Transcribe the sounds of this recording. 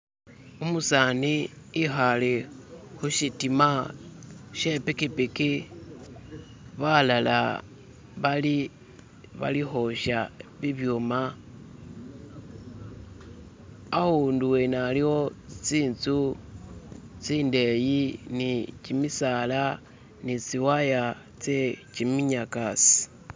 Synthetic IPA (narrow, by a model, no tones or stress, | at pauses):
umusani | ixalexuʃitima | ʃe̞pikipiki | βalala̰ | βali | βa̰lixo̞ʃaβiβjoma | ahunduwenaliwo̞t͡siːnt͡su | t͡siːnde̞jinit͡ʃimisala | nit͡siwaja | t͡set͡ʃimiɲakasi̥